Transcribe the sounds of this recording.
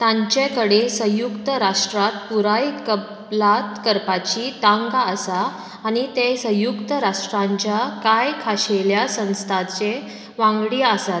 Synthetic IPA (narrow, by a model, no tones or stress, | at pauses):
t̪ãɲt͡ɕekəɽesə̃jukt̪əɾaʂʈɾat̪̚puɾajkəb | lat̪kəɾpat͡ɕit̪aŋɡaəsaː | nit̪esə̃jukt̪əɾaʂʈɾãɲt͡ɕjakajkʰaɕeljasə̃w̃st̪ʰat͡se | ʋãŋɡɽiəsat̪